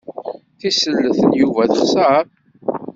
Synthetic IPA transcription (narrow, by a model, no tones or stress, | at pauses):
θisəlːəθənjuvæθəχsəɾˤ